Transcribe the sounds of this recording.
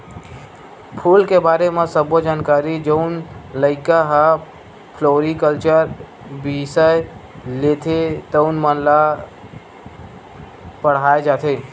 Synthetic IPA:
pʰuːlkebaːɾemẽsəbod͡ʒaːnkaːɾid͡ʒəʊnləɪkaɦa | pʰloːɾikəlt͡ʃəɾ | bisəj | let̪ʰet̪əʊnmənla | pəɽ̤aːed͡ʒaːt̪ʰe

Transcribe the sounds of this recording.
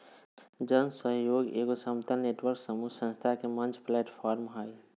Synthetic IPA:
d͡ʒənsəɦjoːɡḛːɡosəmt̪əneːʈwəɾksəmusə̃nst̪ʰakemənt͡ʃʰpleːʈpʰɔːɾmɦəj

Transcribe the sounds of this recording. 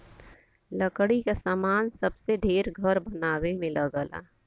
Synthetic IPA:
ləkɽikasaːmaːnsɐbseɖʱeːɾɡʱəɾbɐnaːwemẽlɐɡəla̰ː

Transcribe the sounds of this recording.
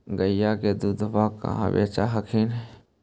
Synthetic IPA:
ɡəjjːaked̪ud̪ʱbakːa̰ɦã̰bḛːt͡ʃaɦəkʰin

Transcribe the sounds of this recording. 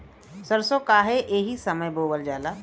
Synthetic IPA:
səɾsokaːɦeʔeːɦisɐməjboːʋəld͡ʒaːlaː

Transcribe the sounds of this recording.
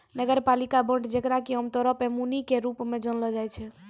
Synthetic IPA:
nəɡəɾpalikabə̃ɳʈd͡ʒekɾakiɦəmt̪ɔɾəpemunikeɾupmed͡ʒənlɔd͡ʒajt͡ʃʰɛ

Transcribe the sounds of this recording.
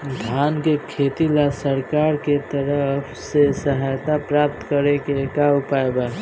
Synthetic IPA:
d̪ʱaːnkekʰeːt̪ilasəɾkaːɾket̪əɾəpʰsesəɦajt̪apɾaːp̚t̪kəɾekekawpaeba

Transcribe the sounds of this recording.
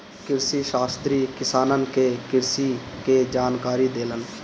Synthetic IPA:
kɪɾsiʃaːst̪ɾiːkɪsaːnənkekɪɾsiːkeːd͡ʒaːnkaːɾiːd̪eːlən

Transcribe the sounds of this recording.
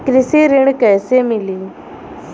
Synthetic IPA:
kɾɪseɾɪɳ̃kɛːsemɪliː

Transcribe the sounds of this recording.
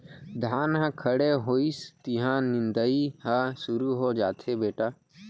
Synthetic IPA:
d̪ʱaːnɦãkʰəɽeɦoːist̪iɦãnɪ̃nd̪əiɦãsʊɾuɦod͡ʒaːt̪ɦebeːʈaː

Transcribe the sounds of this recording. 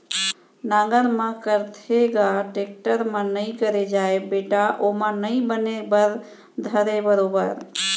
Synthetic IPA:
nãɡəɾmə̃kəɾt̪ʰeɡaʈek̚ʈəɾmə̃nəĩkəɾed͡ʒaebeʈaʔomə̃nəĩbənebəɾ | d̪ʱəɾebəɾoːbəɾ

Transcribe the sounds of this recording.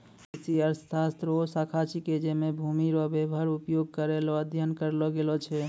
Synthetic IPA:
esiəɾssast̪ɾosakʰat͡ʃiked͡ʒemebʱumiɾɔbebʱəɾupjoɡ̚kəɾelɔəd̪ʱjənkəɾlɔɡelɔt͡ʃʰɛ

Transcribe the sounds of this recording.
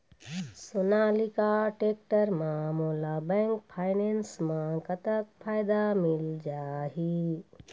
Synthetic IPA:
sonalikaʈeːk̚ʈəɾmãmuːlabɛ̃ːŋkpʰaːɪnẽːnsmãkət̪ək̚pʰaːjd̪amɪld͡ʒaːɦi

